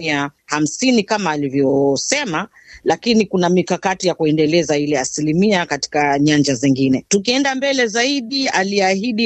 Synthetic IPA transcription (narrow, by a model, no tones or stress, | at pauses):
iaham̩sinikamaːlivjɔsɛma | lakinikunamikakatijakuɛndɛlɛzailɛasilimiakati̥kaɲand͡ʒazɛŋɡinɛtukiɛndambɛlɛzaiɗialiahiɗi